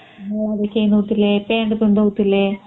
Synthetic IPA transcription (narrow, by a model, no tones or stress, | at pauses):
ɐðet͡ɕejnːut̪ːilːepeːɳɖɨtuɳɖoːt̪ːilːe